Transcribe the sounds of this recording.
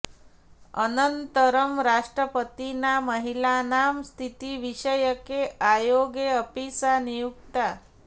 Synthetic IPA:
ənənt̪əɾəmɾaʂʈɾəpət̪inaməɦilanamst̪ʰit̪iʋiɕəjəkeajoɡeəpisanijukt̪a

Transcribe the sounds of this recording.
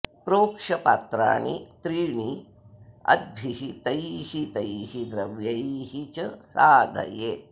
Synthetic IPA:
pɾoːkʂɐpaːt̪ɾa̰ːɳḭt̪ɾiːɳi | ɐ̰d̪̚bʱiɦit̪ɐjhit̪ɐjhid̪ɾɐʋjɐjɦit͡ʃɐsaːd̪ʱɐ̰je

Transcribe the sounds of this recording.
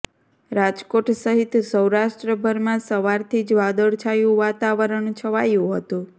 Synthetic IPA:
ɾad͡ʒkoʈsəɦit̪səwɾaʃʈɾəbʱəɾmãsəʋaɾt̪ʰid͡ʒʋad̪əɭt͡ʃʰajũʋat̪aʋəɾəɳt͡ʃʰəʋajũɦət̪ũ

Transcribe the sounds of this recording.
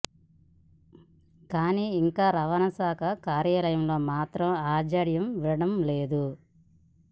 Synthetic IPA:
kaːniːiŋkaːɾɐʋɐnɐsaːkʰɐkaːɾjaːlɐjɐmlo̞ːmaːt̪ɾɐmaːd͡ʒaɽjɐmʋilɐɽɐmle̞ːd̪u

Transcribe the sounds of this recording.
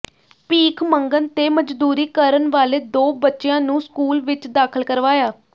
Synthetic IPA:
piːkʰməŋɡənt̪eːməd͡ʒd̪uːɾiːkəɾənʋaːleːd̪oːbətːʃejãːnũːskuːlʋɪt͡ʃd̪aːkʰəlkəɾʋaːjaː

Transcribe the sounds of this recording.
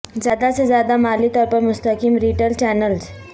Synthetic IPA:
zjaːd̪asezjaːd̪amaːlit̪ɔːɾpɐɾmʊst̪əkiːmɾiːʈəlt͡ʃɛːnəlz

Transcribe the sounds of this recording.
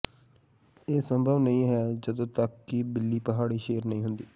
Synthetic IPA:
eːsəmbʱəʋnəĩːɦɛːd͡ʒəd̪õːt̪əkːiːbɪlːiːpəɦaːɽiːʃeːɾnəĩːɦʊnd̪iː

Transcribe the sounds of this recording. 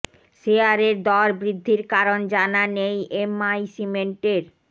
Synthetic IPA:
ʃeaɾeɾd̪ɔɾbɾid̪ʱːiɾkaɾond͡ʑananejʔemajsimeɳʈeɾ

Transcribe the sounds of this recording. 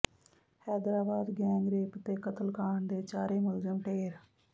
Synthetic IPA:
hɛːd̪ɾaːbaːd̪ɡɛ̃ːŋɡɾeːpt̪eːkət̪əlkaːɳd̪eːt͡ʃaːɾeːməlzəmʈʰeːɾ

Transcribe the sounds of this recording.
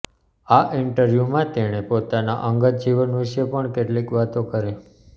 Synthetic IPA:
aʔɪɳʈəɾʋjumãt̪eɽ̃epot̪ana̰ʔəŋɡət̪̚d͡ʒiʋənʋɪʃepəɳkeʈlikʋat̪õkəɾe

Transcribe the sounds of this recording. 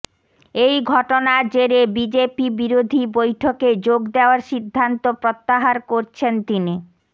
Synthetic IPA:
ejɡʱɔʈonad͡ʑeɾebid͡ʑepibiɾod̪ʱibojʈʰoked͡ʑoɡd̪eoaɾʃid̪ʱːant̪opɾot̪ːaɦaɾkoɾt͡ɕʰent̪ini

